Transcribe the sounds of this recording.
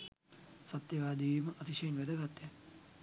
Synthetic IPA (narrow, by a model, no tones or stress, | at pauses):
sat̪jɐʋaːd̪iːməʔɐt̪iʃɐjinʋæd̪əɡat̪ːjɛ